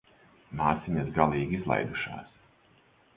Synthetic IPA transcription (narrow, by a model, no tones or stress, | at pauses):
maːsʲimʲasɡalˠiːɡizlˠa̰jd̪uʃa̰ːs